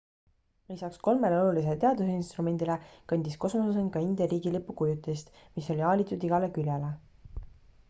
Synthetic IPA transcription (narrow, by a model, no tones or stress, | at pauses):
lisɑksko̞lme̞leo̞lulis̬elt̪e̞ɑd̪useinst̪rume̞nd̪̥ilekɑnʲd̪̥isko̞smosusenkɑind̪ɑɾiːɡ̥ilipːˑukujut̪ːˑst̪ | miso̞lʲiɑːlʲit̪ːˑud̪iɡ̥ɑle̞kylʲjele